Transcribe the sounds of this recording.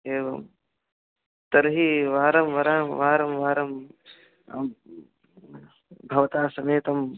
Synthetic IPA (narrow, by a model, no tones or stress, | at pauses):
eːʋɐm | t̪ɐɾɦiʋaːɾɐmʋɐɾaːʋaːɾɐmʋaːɾɐm | bʱɐʋɐt̪aːsɐmeːt̪ɐm